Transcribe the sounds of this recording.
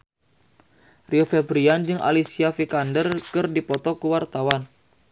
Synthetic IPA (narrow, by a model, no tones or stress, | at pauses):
riofɛbɾiand͡ʒɨŋʔa̰lisiafikandərkɨrdipɔt̪ɔkuwart̪awan